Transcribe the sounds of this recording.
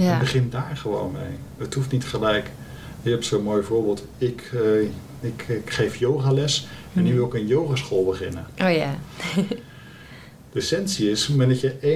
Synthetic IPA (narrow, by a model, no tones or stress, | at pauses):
bəχɪndaːɹχəʋo̰wnmḛjəthuftnitχəlɛjk | kɛpsonmojvʊːɹbeːlˠt | ɪk | ɪkkχejfjowχaːlɛs | ɛnːyʋɪlˠɪkənjowχasχolˠbəχɪnə̰oja | d̥əɛsɛnsiɪsmadɑtjəe